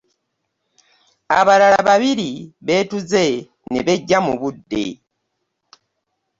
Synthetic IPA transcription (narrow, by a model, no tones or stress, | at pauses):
aβalalaβaβiɾiβe̞ːtuze̞ | neβeɟːamuβudːḛ